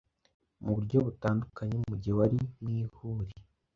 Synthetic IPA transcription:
muβuɾɟo̞βutaːndukaɲe̞mumuɟewaɾiniːhuːɾi

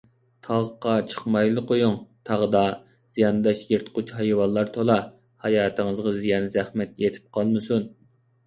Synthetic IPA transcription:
t̪ʰɑʁqɑt͡ʃʰə̥χmɑjlˠɨqʰojuŋt̪ʰɑʁd̪ɑ | z̥ijɑnd̪ɑʃjeɾt̪qʊt͡ʃhɑjwɑnlˠːɑɾt̪ʰolˠɑ | hɑjɑːt̪ʰɨŋɨzʁɑzijɑnzæhmɛt̪jet̪ʰɪ̥p̚qʰɑlˠmɨsun

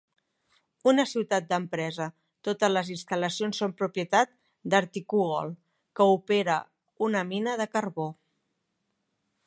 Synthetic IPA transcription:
unəsiwt̪at̪̚d̪əmpɾɛzə | t̪ot̪əzləzinst̪ələsionsːompɾupjət̪at̪̚ | d̪əɾt̪ikuɣɔ̰lˠ | kəupeɾə | unəminəð̞əkərβo

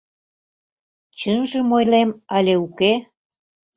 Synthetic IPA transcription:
t͡ɕənʒĕmojlemɑlʲeuke

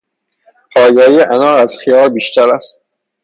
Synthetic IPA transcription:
pʰɒːjɒːjiʔænɒːɾæz̥xijɒːɾbiːʃt̪ʰæɾæst̪̚

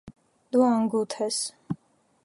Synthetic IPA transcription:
d̪uaŋɡut̪ʰɛs

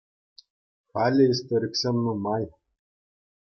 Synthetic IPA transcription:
xalʲeist̪oɾʲiksʲemnumaj

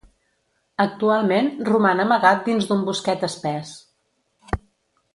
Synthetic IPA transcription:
ək̚t̪ualˠmenrumanəməɣat̪̚d̪inzd̪umbuskɛt̪əspɛs

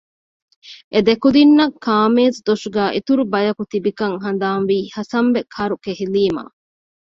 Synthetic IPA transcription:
ʔed̪ekud̪inːɐkʰːaːmeːzd̪oʂuɡæːʔet̪uɾubɐjɐkut̪ibikɐŋɦɐnd̪aːnʋiːhɐsɐmʋekʰɐɾukeɦiliːma̰ː

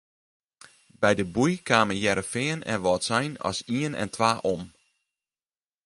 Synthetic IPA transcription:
bɛjdəbujkʰaːməjɛɾəfɪːənɛ̰nʋɔtsɛjnɔ̰siənɛ̰ntʰʋaːʔom

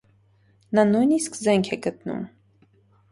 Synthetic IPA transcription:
nɑnujniskzɛŋkʰɛɡət̪̚nṵm

